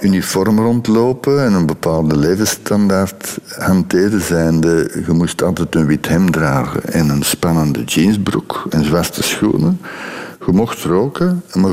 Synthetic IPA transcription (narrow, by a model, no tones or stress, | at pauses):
ʔynifɔrmrɔntloːpəɛnənbəpaːlˠdəleːvəstɑndaːrthɑnteːɾəzɛjndəɣəmustɑlˠtɛtənwithɛmdraːɣə̰ʔɛnənspɑnəndəd͡ʒinsbrṵkənzwastəsxṵːnəɣəmɔxtroːkəma